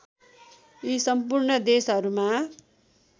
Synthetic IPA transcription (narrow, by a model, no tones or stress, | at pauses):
isʌmpurɳʌd̪esɦʌɾuma